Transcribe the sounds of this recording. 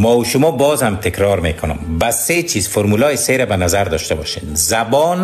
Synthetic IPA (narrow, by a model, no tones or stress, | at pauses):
mɔuʃʊmɔbɔːzhamt̪ʰɪkɾɔɾmekʰʊnʊ̰mbaset͡ʃʰiːzfoɾmulɔeseɾabanazaɾd̪ɔʃt̪abɔʃenzabɔn